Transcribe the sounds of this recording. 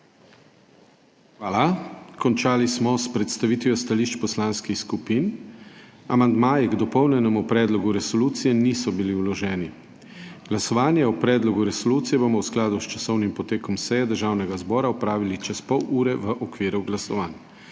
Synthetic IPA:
xʋaːlakɔnt͡ʃaːlismɔspɾɛt̪st̪aʋiːt̪ʋjɔst̪aliːʃt͡ʃpɔslaːnskixskupiːn | amand̪maːjiɡd̪ɔpɔwnɛnɛmupɾɛːd̪lɔɡuɾɛsɔluːt̪sijɛniːsɔbiliwlɔʒɛːni | ɡ̥lasɔʋaːnjaupɾɛːd̪lɔɡuɾɛsɔluːt̪sijɛbomɔwsklaːd̪ust͡ʃasɔwnimpɔt̪eːkɔmsɛjɛd̪əɾʒaːwnɛɡazbɔːɾaɔpɾaːʋilit͡ʃɛspɔwʔuːɾɛʋəʔɔkʋiːɾuɡlasɔʋaːn

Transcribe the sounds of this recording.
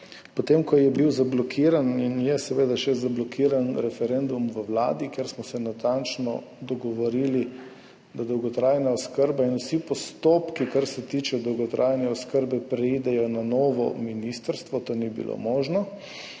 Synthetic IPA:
pɔt̪emkɔjɛbiwzablɔkʰiːɾaninjɛsɛʋeːd̪aʃɛzablɔkʰiːɾanɾɛfɛɾend̪umʋəwla̰ːd̪ikjeɾsmɔsɛnat̪ant͡ʃnɔ̰ | d̪ɔɡɔʋɔɾili | d̪ad̪ɔwɡɔt̪ɾaːjnaoskəɾbainusipɔst̪oːpkikaɾsɛt̪iːt͡ʃɛɔd̪ɔwɡɔt̪ɾʔaːjnɛɔskəɾbɛpɾɛid̪ɛjɔnanɔːʋɔ̰minist̪əɾst̪ʋɔt̪oːnibḭlʔo̰moːʒnɔ

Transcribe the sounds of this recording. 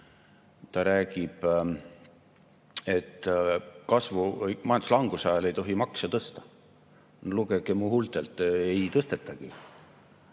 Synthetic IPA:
t̪ɑɾæːɡib̥ | e̞t̪ːkɑsvumɑjɑnd̪u̥slɑŋɡ̥usɑjɑle̞jt̪o̞ɦimɑksɑt̪ɤst̪ɑ̥ | nluɡ̥ekemuhult̪ˑelt̪ˑejt̪ɤst̪e̞t̪ːˑɑɡ̥i

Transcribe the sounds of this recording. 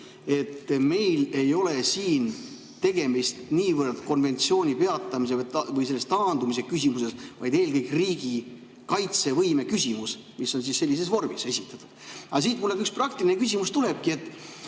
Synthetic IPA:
e̞t̪ːme̞jle̞jo̞le̞siːn | t̪e̞ɡe̞mist̪niːvərd̪̥ko̞nve̞nʲt̪sio̞ːnʲipe̞ɑt̪ːˑɑmis̬e̞vɑvɯjse̞lːest̪ɑːnd̪umis̬e̞kysʲimuse̞svɑ̰jd̪e̞ːlkɤjkriːɡi | kɑjt̪se̞vɤjme̞kysʲimus | misːo̞nsisːe̞lːis̬e̞svo̞rmise̞sʲit̪ːˑɑt̪ːˑud̪̥ɑs̬iːt̪mulːe̥yksprɑk̚t̪ilinekys̬ʲimust̪ule̞b̥̚kie̞t̪ːˑ

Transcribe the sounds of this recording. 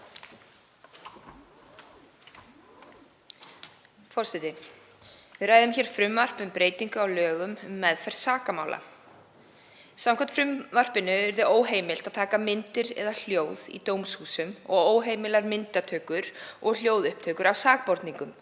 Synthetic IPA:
fɔɾ̥sɛt̪ɪ | vɪðɾraːjðɪmçɛːɾ̥fɾʏmvar̥pʏmpɾeːjt̪iŋkʏawlœːɣʏmʏmːɛðfɛr̥t̪saːkamaːwlʔa̰ | samkʰant̪fɾʏmvar̥pɪnʏɛɾðʏʔoːwɦeːjmɪl̥t̪að̥t̪ʰaːkamɪnt̪ɪɾɛ̰ðal̥joːwðḭt̪oːwmshuːsʏmɔ̰ɣoːwɦeːjmɪlaɾmɪnt̪at̪ʰœːkʏɾʔɔɣl̥joːwðʏhp̚t̪ʰœːkʏɾawsaːk̚pɔɾt̪niŋkʏm

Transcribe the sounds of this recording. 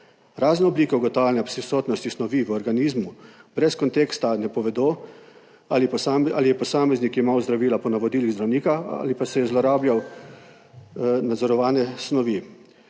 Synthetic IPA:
ɾaːznɛɔbliːkɛwɡɔt̪alnɛpsisoːt̪nɔst̪isnɔʋiʋəɔɾɡaniːzmubɾɛskɔnt̪eːkst̪anɛpɔʋɛd̪oː | aliaalijɛpɔsaːmɛznikimawzd̪ɾaʋiːlapɔnaʋɔd̪iːliɣzd̪ɾawniːkaa̰lipasɛjɛzlɔɾaːbjaw | nad̪zɔɾɔʋaːnɛsnɔʋi

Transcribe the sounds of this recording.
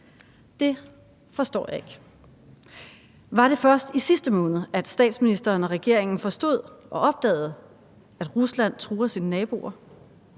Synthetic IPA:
d̥e̝ | fɒ̽sd̥ɒ̰ːjɑ̈e̝ɡ̥ | ʋɑ̈ɾ̥e̝fɶɐsd̥isisd̥əmɔ̽ːnð̩ˠæd̥sd̥ɛ̰ːd̥sminisd̥ɐːnɒ̽ʁɛɡ̥e̝ɐ̰e̝ŋn̩fɒ̽sd̥o̝ð̞̰ˠʔɒ̽ʔɒ̽b̥̚d̥ɛ̰ːð̞̩ˠ | æd̥ʁuslæn̰t͡sʰʁuːɐsinənɛːb̥o̝̰ɐ

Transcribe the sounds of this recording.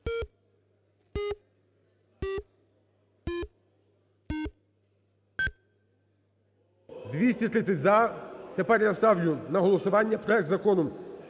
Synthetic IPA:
d̪ʋʲisʲtʲit̪ɾɪsʲɐtʲzɐt̪epɛɾʲjɐst̪ɑwjʊnɐɦɔlˠɔsʊʋɑnʲːɐpɾɔɛk̚t̪zɐkɔnɔm

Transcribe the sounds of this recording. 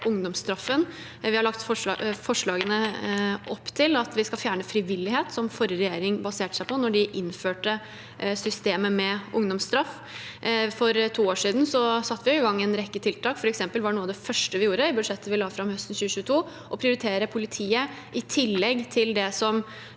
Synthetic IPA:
ʊŋd̪ɔmst̪ɾɑfːən | ʋɪhɑɭɑkt̪fɔfɔʂɭɑːɡənəʔɔpːt̪ʰɪlɑt̪ʋɪskɑlfjæːɳəfɾɪʋɪlɪheːt̪sɔmfɔɾəɾɛjeːɾɪŋbɑseːʈə̥sæɪpɔnɔɖɪʔɪnføːʈə | sʏst̪eːməmɛʔʊŋd̪ɔmst̪ɾɑf | fɔɾt̪ʰuːoːʂiːd̪n̩sɔsɑt̪ːʋɪjʊɪɡɑŋːɪɛnɾɛkːət̪ʰɪlt̪ʰɑːkfɔɾɛksɛmpəlʋɑɖɛnuːɑʋd̪ɛfœʂʈəʋɪjuːɾəɪbʉd̪ʂɛt̪ːəʋɪlɑːfɾɑmhœst̪n̩çʉːəɕʉːət̪ʰuː | ʔɔpʰɾɪʊɾɪt̪ʰeːɾəpʰʊlɪt̪ʰiːə | ʔɪt̪ʰɪlːɛɡːt̪ʰɪld̪ɛsɔm

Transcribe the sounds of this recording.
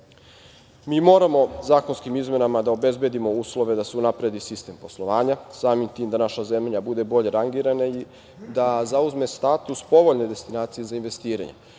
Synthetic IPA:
miːmo̞ːɾamo̞zaːko̞nskimizme̞namad̪aobe̞zbjed̪imo̞uːslˠo̞ʋe̞d̪ase̞unapɾed̪isist̪e̞ːmpo̞slˠo̞ʋaːɲasaːmimt̪iːmd̪anaʃaze̞mʎabud̪e̞bo̞ʎe̞ɾaŋɡiɾanai | d̪azauzme̞st̪aːt̪uspo̞ʋo̞ʎne̞d̪e̞st̪inaːt̪sije̞zainʋe̞st̪iːɾa̰ɲḛ

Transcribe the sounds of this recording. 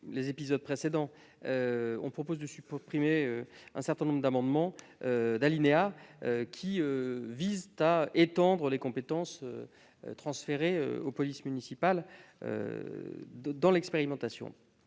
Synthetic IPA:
lezepizɔd̪̚pχesed̪ɑ̃ | øɔ̃pχɔpozd̪əsypχimeøɛ̃sɛʁt̪ɛ̃nɔ̃bʁd̪amɑ̃d̪mɑ̃ | ød̪alineaøkʲʰiøvizt̪aʔet̪ɑ̃d̪ʁəlekɔ̃pet̪ɑ̃sø̰ | t̪χɑ̃sfeʁeø̰opɔlismynisipalø̰ | d̪ɑ̃lɛkspeʁimɑ̃t̪asjɔ̰̃

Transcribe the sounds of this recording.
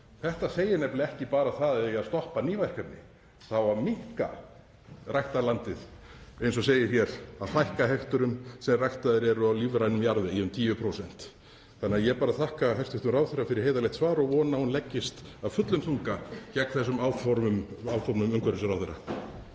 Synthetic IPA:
θɛht̪aseːjɪnɛplɪɛhcɪpaːɾaθaðɛaðst̪ɔhpaniːvajr̥kat̪nɪ | θawamɪhka̰ | rajht̪alant̪ɪðejnsɔseːjɪɾ̥çjɛɾaðθajhkaɦɛht̪ʏɾʏmsɛmrajht̪aðɪɾɛɾʏawliːvɾajnʏmjaɾðɪjɛʏmt̪ʰiːvʏpʰɾowsɛn̥t̪ | θanɪaðjɛpaːɾaθahkaɦɛst̪ʏht̪ʏmraːwθeɾːafɪɾɪɾ̥hejðalɛht̪svaːɾɔɣvɔːnahunlɛcːɪst̪aðfʏt̪lʏmθuŋkacɛkθɛsːʏmaːwfɔɾmʏmaːw̪fɔɾnʏmʏmkʰvɛɾʏsʏɾawθeɾːa̰

